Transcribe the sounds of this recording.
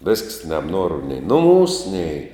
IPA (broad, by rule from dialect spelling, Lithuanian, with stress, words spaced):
ʋʲɛsks nʲɛbˈnuɔrʊ nʲɛɪ nʊˈmuːs nʲɛɪ